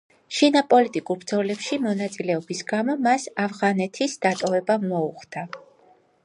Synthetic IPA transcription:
ʃinapʼɔlit̪ʼikʼuɾbɾd̪zɔlɛpʃimɔnat̪sʼilɛɔbisɡamɔmasavʁanɛt̪ʰisd̪̥at̪ʼɔvɛbamɔuχd̪a

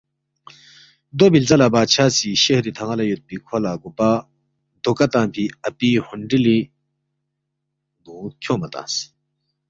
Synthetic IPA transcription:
d̪obilt͡salabaːt͡ɕʰat͡siɕehd̪it̪ʰaŋalajut̪̚pikʰolaɡupa | d̪okat̪ãŋpʰiɐpihuɳɖ͡ʐili | ɡ̪ukʲʰomat̪ã̰s

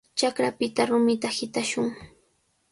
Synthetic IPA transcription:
t͡ʃakɾapɪt̪aɾʊmɪt̪ahɪt̪aʃʊŋ

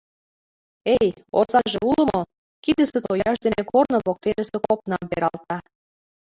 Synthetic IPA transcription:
ej | o̰sɑʒeulə̆mo | kid̪ə̆sə̆t̪ojɑʃd̪enekʰornoβok̚t̪enəsekopnɑmpeɾɑlt̪ɑ

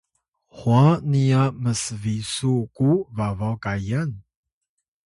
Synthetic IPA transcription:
hwaniaməsvisukuvavawkajan

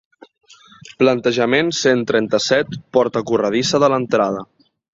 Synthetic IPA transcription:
plənt̪əʒəmensent̪ɾɛnt̪əsɛt̪pɔɾt̪əkurəð̞isəðələnt̪ɾað̞ə

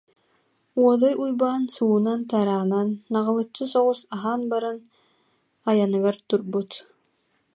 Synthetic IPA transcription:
uɔd̪ɔjujbaːnsuːnant̪aɾaːnanːaʁɯlˠɯt͡ʃːɯsɔʁusaɦaːnbaɾɯn | ajanɯɡaɾt̪uɾbut̪

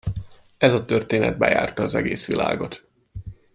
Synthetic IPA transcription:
ɛzɒt̪ørt̪eːnɛ̰d̪̚bɛjaːrt̪ɒːzɛɡeːsʋilʔa̰ːɡo̞t̪

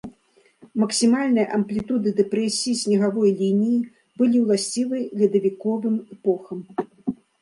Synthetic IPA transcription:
mɐksʲimalʲnɨjɐʔɐmplʲit̪ud̪ɨd̪ɛpɾɛsʲijisʲnʲɛɣavɔjlʲinʲiji | bɨlʲiwlˠasʲt͡sʲivɨjlʲid̪ɐvʲikɔvɨmɛpɔxɐm

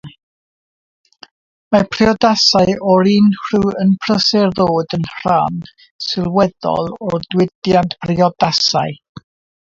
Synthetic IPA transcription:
mapʰrɪɔdasaɨɔɾiːnhruənpʰrəsɛrðoːdənhr̥an | sɪlˠwɛðɔ̰lˠɔdwɪdjantpʰrɪɔdasaɨ

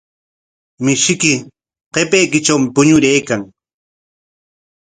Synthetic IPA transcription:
mɪʃɪkɪ | qepejkɪt͡ʃawmɪpʊɲʊɾejkaŋ

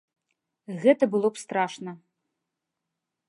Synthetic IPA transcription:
ɣɛt̪ɐbɨlˠɔpst̪ɾaʂnɐ

